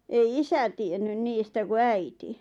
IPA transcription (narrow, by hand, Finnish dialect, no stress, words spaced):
ei isæ tienːyn niːstæ ku æiti